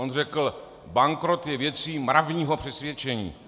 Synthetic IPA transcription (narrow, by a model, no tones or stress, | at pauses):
onrɛkl̩ | baŋkɾo̞t̪jɛvjɛt͡siːmɾavɲiːɦo̞pr̝̥ɛsvjɛt͡ʃɛɲḭː